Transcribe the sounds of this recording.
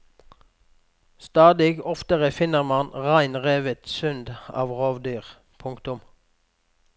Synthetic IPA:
st̪ɑːd̪ɪɡɔft̪əʁəfɪnəʁmɑnʁæɪnʁeːʋət̪sʏnd̪ɑ̰ːʋʁoːʋd̪yːʁ | pʰʊŋkt̪ʊm

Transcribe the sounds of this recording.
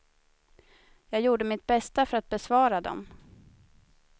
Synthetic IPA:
jɑːɡjuːɖəmɪt̪̚bɛst̪afœɾat̪̚bɛsvɑːɾad̪ɔ̰m

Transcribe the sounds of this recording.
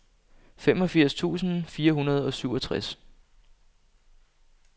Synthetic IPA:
femɒ̽fiɐ̰st͡sʰṵːsn̩fiːɐɦunɐð̞̩ˠɒ̽syʊ̰ɒ̽t͡sʰʁas

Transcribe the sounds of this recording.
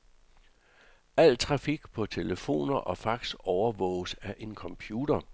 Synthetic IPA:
æl̰t͡sʰʁɑ̈fiɡ̥pʰɒ̽t͡sʰe̝ləfo̝̰ːnɐʔɒ̽fɑ̈ɡ̥sɒʊɐʋɔ̰̽ʊsæɐʔe̝nkʰɒ̽mpʰjuːdɐ

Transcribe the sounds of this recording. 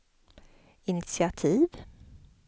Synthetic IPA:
ɪnɪt̪sɪat̪ʰiːv

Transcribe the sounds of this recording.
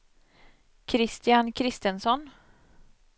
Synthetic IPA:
kʰɾɪst̪ɪjankʰɾɪst̪ənsɔn

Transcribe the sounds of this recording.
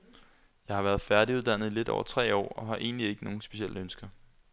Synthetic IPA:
jɑ̈ɪhɑ̈ʋæːɐð̩ˠfæɐɾ̥iuð̞ˠd̥æn̰ð̩ˠile̝d̥ɒ̰ʊɐt͡sʰʁɛ̰ːɒ̰ːɒ̽ɦɑ̈ʔe̝̰ːnlie̝ɡ̥əno̝ːn̩sb̥e̝ɕiel̰əønsɡ̥ɐ

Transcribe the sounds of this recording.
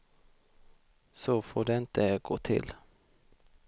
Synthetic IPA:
sɔfoːɖɛɪnt̪əɡoːt̪ʰɪ̰l

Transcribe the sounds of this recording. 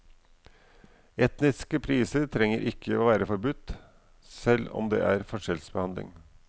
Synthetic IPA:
ɛt̪nɪskəpʰɾiːsəɾt̪ʰɾɛŋːəɾʔɪkʰːəoːʋæːɾəfɔɾbʉt̪ː | sɛlːɔ̰md̪ḛːʔæɾfɔʂɛlsbəhɑnd̪lɪ̰ŋ

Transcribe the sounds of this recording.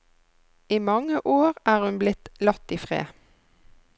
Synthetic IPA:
iːmɑŋəʔoːʁæːʁhʉnblɪt̪lɑt̪iːfʁḛː

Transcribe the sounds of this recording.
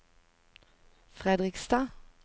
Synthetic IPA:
fʁɛd̪ʁɪkst̪ɑː

